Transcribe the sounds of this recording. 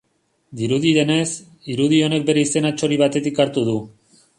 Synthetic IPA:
d̪iɾuðiðe̞ne̞s | iɾuð̞io̞ne̞k̚be̞ɾe̞ise̞nat͡ʃo̞ɾiβ̞at̪e̞t̪ikaɾt̪uð̞u

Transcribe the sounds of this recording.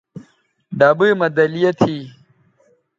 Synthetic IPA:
ɖabɨmɐd̪ɐlijɐt̪ʰi

